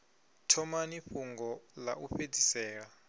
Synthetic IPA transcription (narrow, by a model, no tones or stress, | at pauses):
tʰɔmaniɸuŋɡɔla̰ʔuɸed͡zisɛːɺa